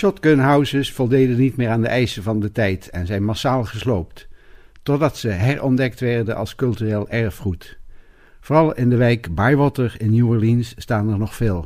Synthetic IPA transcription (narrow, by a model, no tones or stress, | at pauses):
ʃɔtɡønɦʌwzəsfɔlˠdejdənitmɪːɹaːndəʔɛjsəvɑndətɛjtɛnzɛjnmasaːlˠχəslowpttɔdɑtsəɦɛɹʔɔndɛktʋɛɹdənʔɑ̰lˠskɵlˠtyreːlˠʔɛɹfχut | voːrɑlˠɪndəʋɛjkbajʋɔtəɹɪnjuəɹlinsːtaːtəɹnɔχfeːlˠ